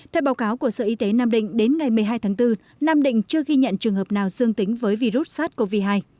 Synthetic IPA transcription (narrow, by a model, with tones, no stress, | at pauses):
t̪ʰɛ˧wɓaː˨˦wkaː˨˦wku˧˩əsəː˧˨ʔi˨˧˦t̪e˨˦naː˧mɗḭ˧˨ŋ̟ɗe˨˦nŋa˨˩jmɨ˨˩əɦaː˧jt̪ʰaː˨˦ŋt̪ɨ˧ | naː˧mɗḭ˧˨ŋ̟t͡ɕɨ˧əɣi˧ɲə̰˧˨nt͡ɕɨ˨˩əŋɦəː˨˩p̚naː˨˩wzɨ˧əŋt̪ï˨˦ŋ̟vəː˨˦jvi˧zu˦˥t̚saː˦˥t̚ko˧vi˧˩ɦaː˧j